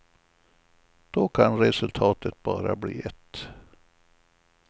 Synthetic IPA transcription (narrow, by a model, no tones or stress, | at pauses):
d̪̥okʰanɾɛsɵlt̪ʰɑːt̪ʰət̪̚bɑːɾabliːɛt̪ː